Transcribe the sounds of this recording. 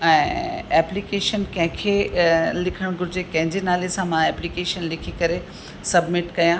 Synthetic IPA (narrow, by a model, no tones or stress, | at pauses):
ɛ̃ːɛːplikeːʃənkɐ̃ɦɪ̃kʰelɪkʰəɽ̃ɡʊɾɪd͡ʑekɐ̃ɦɪ̃ɲd͡ʑenaːlesãmãɛːplikeːʃənlɪkʰikɐɾe | sɐbmɪʈkɐjã